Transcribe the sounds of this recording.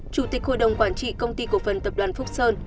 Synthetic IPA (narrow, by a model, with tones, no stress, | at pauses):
t͡ɕu˧˩t̪ï˨˩k̚ho̰˧˨jɗə˨˩wŋ͡mkwaː˧˩nt͡ɕḭ˧˨kə˧wŋ͡mt̪i˧ku˧˩əfə˨˩nt̪ə˨˩p̚ɗwaː˨˩nfk͡p̚səː˧n